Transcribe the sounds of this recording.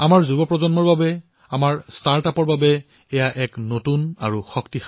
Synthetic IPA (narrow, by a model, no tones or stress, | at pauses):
amaɹzubɔpɹɔzɔnmɔɹbabɛ | amaɹstaɹtapɔɹbabɛ | ɛjaʔɛknotuna̰ɹuxɔktix